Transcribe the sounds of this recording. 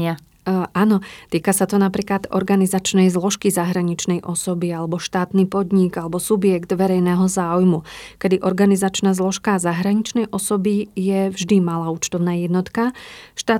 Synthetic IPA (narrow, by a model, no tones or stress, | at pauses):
ʔaːnɔt̪iːkasat̪ɔnapɾiːklad̪ɔ̰ɾɡanizat͡ʃnɛjzlɔʃkizaɦɾaɲit͡ʃnɛjʔɔsɔbialɛbɔʃt̪aːt̪niːpɔd̪ɲiɡalɛbɔsubjɛkd̪ʋɛɾɛjnɛːɦɔzaːujmukɛd̪iʔɔɾɡanizat͡ʃnazlɔʃkazaɦɾaɲit͡ʃnɛjʔɔsɔbijɛvʒd̪imalaːuːt͡ʃt̪ɔʊnaːjɛd̪nɔt̪kaʃt̪aː